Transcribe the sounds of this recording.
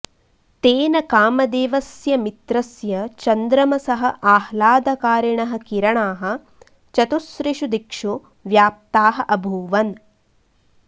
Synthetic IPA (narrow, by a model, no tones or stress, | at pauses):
t̪eːnɐkaːmɐd̪eːʋɐsjɐmit̪ɾɐsjɐt͡ʃɐnd̪ɾɐmɐsɐɦɐʔaːhlaːd̪ɐkaːɾɐɳɐɦɐ̆kiɾɐɳaːɦɐ̆ | t͡ʃɐt̪usɾiʂud̪ikʂu | ʋjaːp̚t̪aːɦɐʔɐbʱuːʋɐn